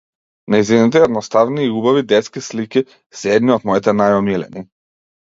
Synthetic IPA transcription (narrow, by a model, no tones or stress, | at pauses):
naizinit̪̬ɛɛd̪nɔst̪avniːubavid̪ɛt̪skisliki | sɛd̪niɔt̪mɔit̪ɛnajɔmilɛ̰ni